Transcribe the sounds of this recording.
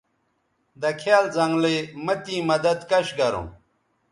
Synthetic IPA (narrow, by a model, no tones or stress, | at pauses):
d̪ɐkʰjaːlzɐŋɡlemɐt̪ĩːmɐd̪ɐd̪kɐɕɡɐɾṵ̃m